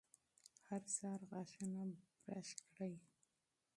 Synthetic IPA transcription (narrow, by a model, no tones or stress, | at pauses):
haɾsɑɾɣɑʃanabɾaʃkɽaj